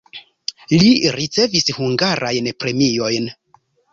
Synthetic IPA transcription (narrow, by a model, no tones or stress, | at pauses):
liɾit͡se̞vishuŋɡaɾʔajnpɾe̞mio̞jn